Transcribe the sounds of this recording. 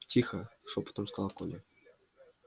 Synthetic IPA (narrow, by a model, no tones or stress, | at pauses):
tʲixʲɤ̆ʂopt̪ɤ̆mskɑlˠɑkolʲĕ